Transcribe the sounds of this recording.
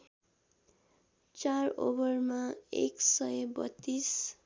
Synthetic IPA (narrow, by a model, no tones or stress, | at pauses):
t͡saro̰bʌrmaḛksʌjbʌ̰t̪ːis